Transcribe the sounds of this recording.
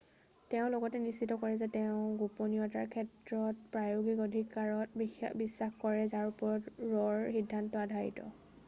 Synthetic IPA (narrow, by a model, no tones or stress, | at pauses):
tɛʊ̃loɡɔtɛnisːitɔkɔɹɛzɛtɛʊ̃ɡoponiɔta̰ɹkʰɛtɹɔt̚pɹajoɡikɔdʱikaɹɔtbisːaxkɔɹɛzaɹupɔɹɔtɹɔɹxidʱːantɔadʱajḭtɔ̰